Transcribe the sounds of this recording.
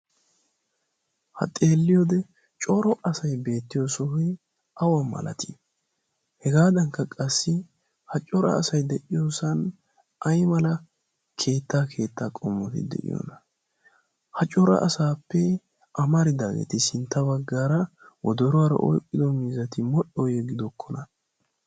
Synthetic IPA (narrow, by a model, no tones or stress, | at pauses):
hɐ̰t̪ʼe̞ːlːɪjɔd̪ɛ | t͡ʃʼɔɾɔʔɐsɐjbe̞ːt̪ːɪjɔsɔhɛ | ɐwɐmːɐ̰lɐ̰t̪ɪ̥ | hɛɡaːd̪ɐŋkːɐkʼɐsːɪ | hɐt͡ʃʼɔɾɐ̰ːsɐjd̪ɛʔɪjoːsɐn | ʔɐjmɐlɐ | kʰe̞ːt̪ːaːkʰe̞ːt̪ːaːkʼɔmːɔt̪ɪ̰d̪ɛ̰ʔɪ̰jɔ̰nɐ | hɐt͡ʃʼɔɾɐ̰ʔɐsaːpːɛ | ʔɐmɐɾɪd̪aːɡḛt̪ɪsɪnt̪ːɐbɐɡːaːɾɐwɔd̪ɔɾʊwaɾɐ̰ʔɔ̰jkʼːɪd̪ɔmiːzɐt̪ɪmɔɗɔjɛɡɪd̪ɔkːɔnɐ